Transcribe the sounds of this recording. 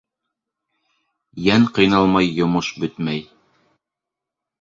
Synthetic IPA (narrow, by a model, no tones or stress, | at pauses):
jæŋqɤ̆jnɑlˠmɑjːŏmɤʃbɵt̪mæj